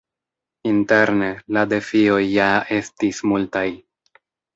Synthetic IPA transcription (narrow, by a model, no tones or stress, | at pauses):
inte̞ɾne̞lade̞fio̞jːae̞stismultaj